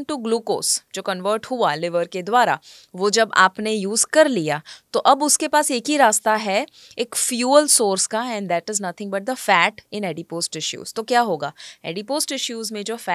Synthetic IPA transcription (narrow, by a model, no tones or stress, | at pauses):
nʈuɡluːko̰ːsd͡ʒoːkɐ̃nʋəːɾʈhʊalɪʋəɾked̪waːɾa̰ | ʋoːd͡ʒɐba̰ːpnejuːzkɐɾlijaːt̪oʔɐbʊskepaːseːkɦiɾaːst̪aɦɛ | eːkfjuːəlsoːɾskaɛ̃ɳɖd̪ɛʈɪznɐt̪ʰɪ̃ŋɡbɐʈ̚d̪əfɛːʈɪ̃nɛɖipoːsʈɪʃjṵːz̥t̪okjaːɦoːɡaːɛ̰ːɖipoːsʈɪʃjuːzmẽd͡ʒoːfɛ